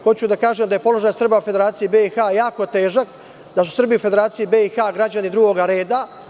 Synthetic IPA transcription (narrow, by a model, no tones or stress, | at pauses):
xo̞t͡ɕud̪akaːʒemd̪aje̞po̞lo̞ʒajsr̩baufed̪eɾaːt̪sijibeixajaːkot̪e̞ːʒak | d̪asu̥sr̩bijiufe̞d̪e̞ɾaːt̪sijibeixaɡɾad͡ʑanid̪ɾuɡo̞ɡaɾe̞ːd̪a